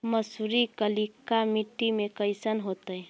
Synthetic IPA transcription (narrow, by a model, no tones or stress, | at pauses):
məsuɾikəlikamiʈːimekəɪsənɦot̪əj